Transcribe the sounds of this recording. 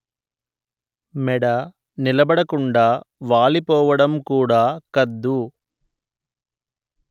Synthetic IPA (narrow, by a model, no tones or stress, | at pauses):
mɛɽɐ | nilɐbɐɽɐkuɳɖaːʋaːɭipɔːʋɐɽɐmkuːɽaːkɐd̪ːu